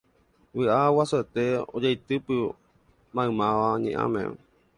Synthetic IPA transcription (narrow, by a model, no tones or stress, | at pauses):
βɨʔawasoet̪eod͡ʒajt̪ɨpɨ | mãɨ̃mãʋaɲḛ̃ʔã̰mḛ̃